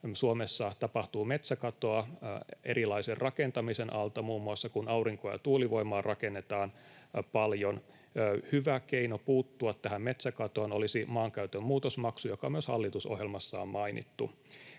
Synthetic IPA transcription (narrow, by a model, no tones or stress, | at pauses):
suomesːɑt̪ɑpɑht̪uːmet̪sækɑt̪o̞ɑḛɾʔilɑiserrʔɑkent̪ɑmisenʔɑlt̪ɑmuːmːuɑsːɑkunɑuriŋkojɑ̰t̪uːliʋo̞imɑːrʔɑkenːet̪ɑːnpɑljonː | hyʋækeinopuːt̪ːuɑt̪ːæɦæmmet̪sækɑt̪oːnolisimɑːŋkæyt̪ømmuːt̪osmɑksujokɑmyøshɑ̰lːit̪uso̰hjelmɑsːɑ̰ːmmɑinḭt̪ːṵ